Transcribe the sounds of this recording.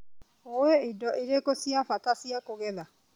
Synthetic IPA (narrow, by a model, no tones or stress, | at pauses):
oweidɔʔeɾekosiafatasiakoɣɛða